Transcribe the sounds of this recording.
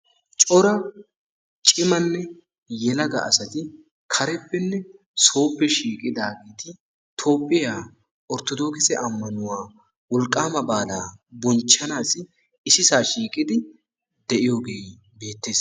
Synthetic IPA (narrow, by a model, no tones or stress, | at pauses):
t͡ʃʼɔɾɐ | t͡ʃʼɪmɐnːɛ | jɛlɐɡɐ̰ʔɐ̰sɐt̪ɪ | kʰɐɾɛpːɛnːɛ | so̞ːpːɛʃiːkʼɪd̪aːɡeːt̪ɪ | t̪ʰo̞ːpʼːɪjaː | ɔɾt̪ɔd̪o̞ːkɪsɛʔɐmːɐnʊwaː | wɔlkʼːaːmɐbaːlaːbɔnt͡ʃːɐnaːsɪ | ɪsɪsaːʃiːkʼɪd̪ɪ | d̪ɛʔɪjo̞ːɡe̞ː | be̞ːt̪ːeːs